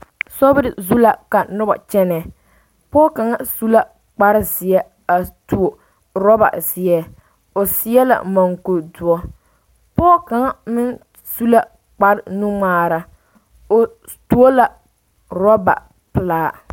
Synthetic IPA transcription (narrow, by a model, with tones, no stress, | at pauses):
sɔ˦bɾɪ˨zu˦la˨ka˨nʊ˦ba̰˨t͡ʃɛ˦nɛ˨ | pɔː˦ka˨ŋa˦su˦la˦ | k͡pa˦ɾɪ˦zɪ˨ɛ˦ | a˨tu˨o˨ | ɾɔ˦ba̰˨zɪ˨ɛ˦ | o˨sɪ˦ɛ˦la̰˨ma˨ŋko˨dʊ˨ɔ˦ | pɔː˦ka˨ŋa˦mɪ˦n | su˦la˦ | k͡pa˦ɾɪ˦nu˦ŋ͡maː˦ɾa˨ | o˨ | tu˦o˦la˨ | ɾɔ˦ba̰˨ | pɨ˨laː˦